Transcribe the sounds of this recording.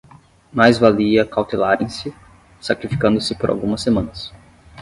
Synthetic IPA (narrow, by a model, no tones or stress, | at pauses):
majzvaliɐkawt̪elaɾẽj̃sɪ | sakɾifi̥kɐ̃nd̪ʊsɪpoɾʔa̰wɡũmɐsːemɐ̃nɐs